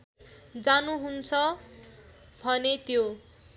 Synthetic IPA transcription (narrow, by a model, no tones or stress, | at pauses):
d͡zanuɦunt͡sʰʌ | bʱʌnet̪jo